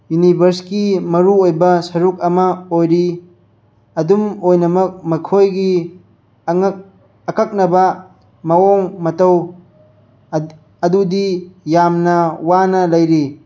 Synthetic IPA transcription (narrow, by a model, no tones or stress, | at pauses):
junibʱɐɾskimɐɾuojbɐsɐɾuk̚ɐmɐojɾi | ɐdumojnɐmɐk̚mɐkʰojɡi | ɐkʰɐk̚nɐbɐ | mɐoŋmɐtɐw | ɐdudijamnɐwanɐlɐjɾi